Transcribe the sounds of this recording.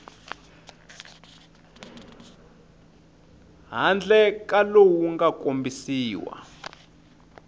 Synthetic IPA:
ɦand͡ɮɛkʼalowuŋɡakombisiːwa̰

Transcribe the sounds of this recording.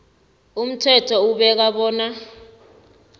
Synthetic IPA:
um̩tʰɛtʰɔuɓɛk̬aɓɔːna

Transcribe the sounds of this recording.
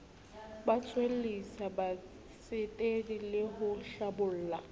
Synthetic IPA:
bat͡sʰʼwel̩isaba | sɪtʼedilɪɦʊʃabʊl̩ːla

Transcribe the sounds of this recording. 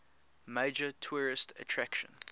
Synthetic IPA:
meɪd͡ʒətʰuːɹɪstʰə̰tʰɹ̥ækʃə̰̃n

